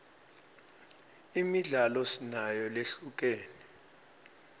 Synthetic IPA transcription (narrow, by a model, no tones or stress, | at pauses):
imiɮalɔsinajɔleɬuk̬ɛːnɛ